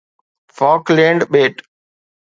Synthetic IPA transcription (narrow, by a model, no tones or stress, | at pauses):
fɔːklẽɳɖɓeːʈ